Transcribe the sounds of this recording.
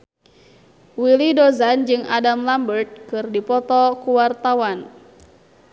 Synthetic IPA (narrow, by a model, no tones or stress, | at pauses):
wilidɔzand͡ʒɨŋadamlambərt̪̚kɨrdipɔt̪ɔkuwart̪awan